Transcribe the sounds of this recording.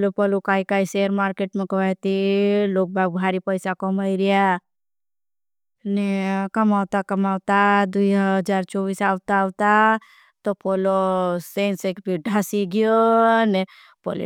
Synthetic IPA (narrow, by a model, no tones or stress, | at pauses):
plopɔlukaːikaːiseəɾmaːɾkeʈmẽkɐʋajt̪iloːk̚bʱaɡ̚bʱaːɾipəjsakɔmaiɾija | nekɐmaːwt̪akɐmaːwt̪ad̪uiɦd͡ʒaːɾt͡ʃɔːʋiːsaːʋt̪aːʋt̪a | t̪opolosẽːnsekbʱiɖʱaːsiɡijone | po̰l̰